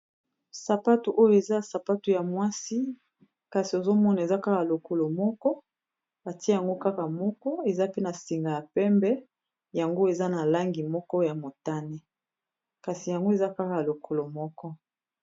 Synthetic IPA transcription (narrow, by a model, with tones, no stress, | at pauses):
sa˨pa˦tu˨ʔo˦jo˨e˨za˦ja˨sa˨pa˦tu˨ja˨mwa˦si˦ | ka˨si˨o˨zo˦mɔ˦na˨e˨za˦ka˦ka˨lo˨ko˨lo˨mɔ˦kɔ˦ | ba˨ti˦ja˨ŋɡo˦ka˦ka˨mɔ˦kɔ˦e˨za˦pe˦na˨si˨ŋɡa˨ja˨pɛ˦mbɛ˦ | ja˨ŋɡo˦e˨za˦na˨la˦ŋɡi˨mɔ˦kɔ˦ja˨mo˨ta˦ne˦ | ka˨si˨ja˨ŋɡo˦e˨za˦ka˦ka˨a˨lo˨kʰo˨lo˨mɔ˦kɔ˦